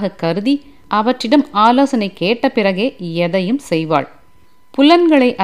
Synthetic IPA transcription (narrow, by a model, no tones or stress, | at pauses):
ɣɐkːɐɾɯði | ʔɐʋɐʈrɪɽɐmaːloːsɐnɐɪkːeːʈːɐpɪrɐɣeːɛðɐjɯmsɛjʋa̰ːɭ | pʊlɐnɡɐɭɐɪʔɐ